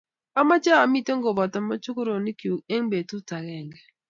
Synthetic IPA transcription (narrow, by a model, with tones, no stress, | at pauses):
a˦ma˦t͡ʃa˦a˨mi˦te˦ŋɡo˨bɔ˨ta˨mɔ˦t͡ʃʊ˦kʊ˦ɾo˨ni˦kju˨ke˦ŋbe˨tu˦ta˨ɣɛ˨ŋɡɛ˨